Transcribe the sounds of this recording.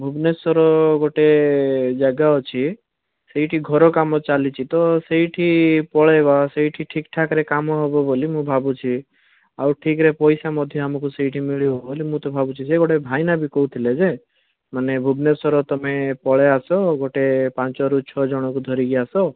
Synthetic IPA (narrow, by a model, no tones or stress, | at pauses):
bʱubnesɔɾɔɡoʈed͡ʒaɡaɔt͡ʃʰi | seiʈʰiɡʱɔɾɔkamɔt͡ʃalit͡ʃʰit̪ɔseɦiʈʰipɔɭebaseɦiʈʰiʈʰikʈʰakɾekamɔɦobɔbolimũbʱabut͡ʃʰi | awʈʰikɾepɔjsamɔd̪ʱjɔamɔkuseiʈʰimiɭiɦobolimũt̪ɔbʱabut͡ʃʰiseɡoʈebʱajnabikɔut̪ʰiled͡ʒe | manebʱubnesɔɾɔt̪ɔmepɔɭeasɔɡoʈepãnt͡ʃɔɾut͡ʃʰɔd͡ʒɔɽ̃ɔkud̪ʱɔɾiɡiasɔ